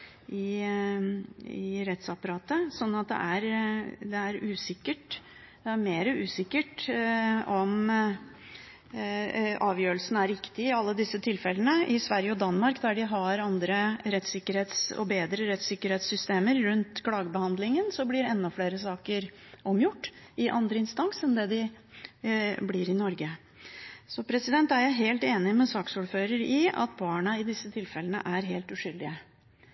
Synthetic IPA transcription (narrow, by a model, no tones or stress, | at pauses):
ɪ | ɪɾɛt̪sɑpɑɾɑːt̪əsɔnːɑt̪̚d̪ɛ̰ʔæɾd̪ɛæɾʉːsɪkːəʈ | d̪ɛæɾmeːɾəʉːsɪkːəʈ | ɔm | ʔɑːʋjøːɾəlsən̩æɾːɪkt̪ɪɪɑlːəd̪ɪsːət̪ʰɪlfɛlənəʔɪsʋæɾjəɔd̪ɑnmɑɾkd̪æɖɪɦɑɾɑnd̪ɾəɾɛt̪sɪkːəɾheːt̪sɔ̰beːd̪ɾəɾɛt̪sɪkːəɾheːt̪sʏst̪eːməɾɾʉnt̪kʰlɑːɡəbəhɑnd̪lɪŋənsɔblɪɾɛnːɔfleːɾəsɑːkəɾ | ɔmjʊʈːɪʔɑ̰nd̪ɾəɪnst̪ɑŋsɛnd̪ɛd̪ɪ | blɪɾɪnɔɾɡə | sɔpʰɾɛsɪd̪ɛnt̪æɾjæɪɦeːlt̪eːnɪmɛsɑːksuːɾføːɾəɾɪɑ̰t̪̚bɑːɳɑɪd̪ɪsːət̪ʰɪlfɛlənə̰ʔæɾɦeːlt̪ʉʂʏld̪ɪə